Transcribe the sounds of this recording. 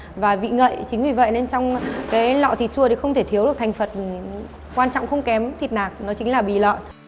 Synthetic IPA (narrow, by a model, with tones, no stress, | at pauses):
vaː˨˩vḭ˧˨ŋə̰ː˧˨jt͡ɕï˨˦ŋ̟vi˨˩və̰˧˨jne˧nt͡ɕɔ˧wŋ͡mkaː˨˦jlɔ̰˧˨t̪ʰi˨˩t̚t͡ɕu˧ət̪i˨˩xə˧wŋ͡mt̪ʰe˧˩t̪ʰi˨˦əwɗɨ˨˩t̪ʰŋ̟fə˨˩t̚ | kwaː˧nt͡ɕɔ̰˧˨ŋ͡mxə˧wŋ͡mkɛ˨˦mt̪ʰi˨˩t̚naː˨˩k̚nɔ˨˦t͡ɕï˨˦ŋ̟laː˨˩ɓḭ˧˨lɔ̰ː˧˨n